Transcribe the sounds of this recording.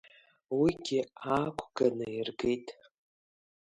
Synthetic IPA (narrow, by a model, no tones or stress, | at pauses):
wiɡʲɪakʷʰʼɡ̥anɨirɡejtʼ